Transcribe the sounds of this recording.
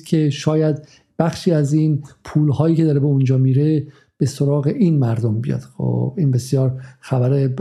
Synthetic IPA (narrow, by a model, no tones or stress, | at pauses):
kʲʰe̞ʃɒːjæd̪ | b̥æxʃiːæziːnpʰuːlhɒːjiːcʰeɒːɾe̞beund͡ʒɒːmiːɾe̞ | b̥e̞soɾɒːɣe̞ʔiːnmæɾd̪ombijɒ̰ːd̪̥xo̰biːnbe̞sjɒːɾxæbæɾe